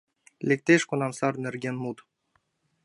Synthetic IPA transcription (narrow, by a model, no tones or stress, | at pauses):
lʲek̚ʲt̪ʲeʃkunɑmsɑrnĕrɡʲenmut̪